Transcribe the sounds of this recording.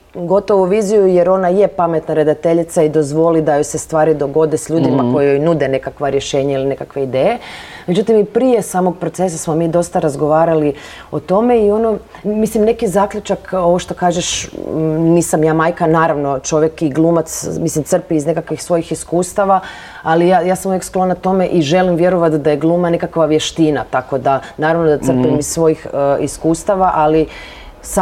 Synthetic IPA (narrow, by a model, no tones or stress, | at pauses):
ɡo̞t̪oʋuʋiːzijujeɾo̞naje̞pame̞t̪naɾe̞d̪at̪e̞ʎit̪said̪o̞zʋo̞lid̪ajose̞st̪ʋaːɾid̪o̞ɡo̞d̪esʎuːd̪imako̞jojnud̪ene̞kakʋaɾje̞ʃe̞ːɲailinekakʋe̞id̪eːje̞med͡ʒut̪imipɾije̞saːmo̞ɡ̚pɾotse̞sasmo̞miːd̪o̞st̪aɾazɡo̞ʋaːɾali | o̞t̪o̞me̞io̞no | mislimne̞kizaːkʎut͡ʃako̞ʋoʃt̪o̞kaːʒeʃ | niːsamjaːmaːjkanaːɾaʋno̞t͡ʃo̞ʋjekiɡlˠuːmat̪smislimt̪sr̩piːzne̞kakʋixsʋo̞jixiskuːst̪aʋa | alijajaːsamujeksklo̞nat̪o̞me̞ʔiʒe̞limʋje̞ɾoʋat̪d̪ajeɡlˠuːmanekakʋaʋje̞ʃt̪inat̪ako̞d̪anaːɾaʋnod̪asr̩pimizsʋo̞jixiskuːst̪aʋaʔali | sa